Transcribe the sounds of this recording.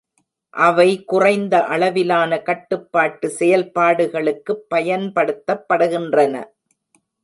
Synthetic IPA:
ʔɐʋɐɪkʊrɐɪnd̪ɐʔɐɭɐʋɪlaːnɐkɐʈːɯpːaːʈːɯsɛjɐlpaːɽɯɣɐɭɯkːɯpːɐjɐnpɐɽɯt̪ːɐpːɐɽɯɣɪndrɐnɐ̰

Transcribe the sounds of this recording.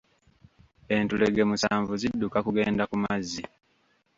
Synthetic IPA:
e̞ntuleɡe̞musaːɱvuzidːukakuɡe̞ːndakumazːi

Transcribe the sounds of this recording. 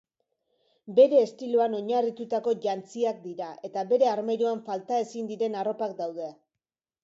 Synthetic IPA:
be̞ɾe̞ːst̪iluano̞ɲarit̪ut̪ako̞ʝant͡siak̚d̪iɾaʔe̞t̪aβe̞ɾe̞aɾmejɾuaɱfalt̪ae̞sind̪iɾe̞naro̞pakd̪awðe̞

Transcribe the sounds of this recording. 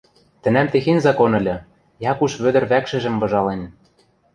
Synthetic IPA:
t̪ɘ̆næmt̪exenʲzɑkonɤ̆lʲɤ̆ | jɑkuʃβø̆d̪ə̆rβækʃɘ̆ʒɘ̆mbɤ̆ʒɑlen

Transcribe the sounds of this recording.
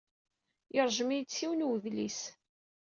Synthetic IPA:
əɾˤʒəmijt͡sːiwnwðlis

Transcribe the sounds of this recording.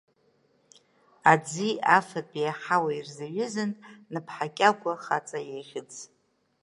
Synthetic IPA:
ad͡ziafapʼijaħawairzaɥɪzɨnːɨpʰħakʲʼaɡʷaχat͡sʼajejʁʲɪt͡sʰʼ

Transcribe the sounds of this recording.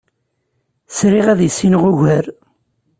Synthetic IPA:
sɾiʁæðjəsːinʁʊʝæɾ

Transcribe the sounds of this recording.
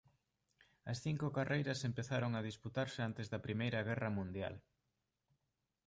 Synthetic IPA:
ɐsθiŋkʊkarʔejɾɐsempeθaɾoŋɐð̞isput̪aɾsɪant̪ɪzðɐpɾimejɾɐɣ̞ɛrɐmũnd̪ja̰l

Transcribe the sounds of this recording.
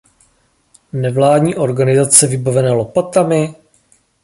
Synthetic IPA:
nɛvlaːdɲiːʔo̞ɾɡanɪzat͡sɛvɪbavɛnɛːlopat̪amɪ

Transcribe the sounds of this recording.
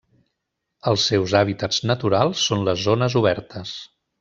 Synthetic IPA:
əlˠsːɛwzaβit̪ədznət̪uɾalˠsːonləzːonəzuβ̞ɛɾt̪əs

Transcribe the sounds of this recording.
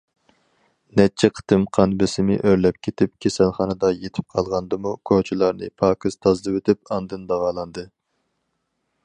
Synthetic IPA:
nɛt͡ʃʰɛqʰə̥t̪ʰɨmqʰɑnbɪsɪmɪʔøɾlɛp̚kʲʰet̪ʰɪp̚kʲʰesælˠχɑnɨd̪ɑjet̪ʰɪ̥p̚qʰɑlˠʁɑnd̪ɨmukʰot͡ʃʰilˠɑɾnɨ̰pʰɑːkɨz̥t̪ʰɑzlɨwet̪ʰɪp̚ɑnd̪ɨnd̪ɑʁɑːlˠɑnd̪ɨ

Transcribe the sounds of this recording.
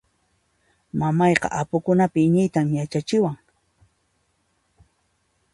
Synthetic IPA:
mamɑjqɑ̰ʔapʊkʊnapɪɲɪjt̪amjat͡ʃat͡ʃɪwaŋ

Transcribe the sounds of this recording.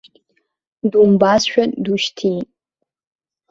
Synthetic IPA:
dumbaːsʃʷᶣɐduʃtʰiː

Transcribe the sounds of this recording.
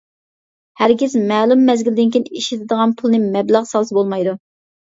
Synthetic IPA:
hæɾɡʲɪzmɛːlˠumːɛzɡʲild̪ɪnkʲʰinɪiʃit̪ʰɪd̪əʁɑnpʰʊlˠnɨmɛblæʁsɑlˠsɨbolˠmɑjd̪u

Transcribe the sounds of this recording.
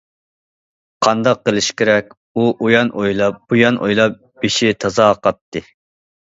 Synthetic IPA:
qʰɑnd̪ɑqːəlˠɪʃkʲʰeɾɛkʲ | uʔujɑnʔojlˠɑp̚b̥ujɑnʔo̰jlˠɑp̚ | b̥eʃit̪ʰɑzɑqɑt̪ːɨ

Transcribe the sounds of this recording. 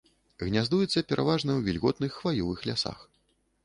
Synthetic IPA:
ɣnʲazd̪ujɛt̪sːɐpʲɛɾʔavaʐnɐwvʲilʲɣɔt̪nɨxːvajɔvɨxlʲasa̰x

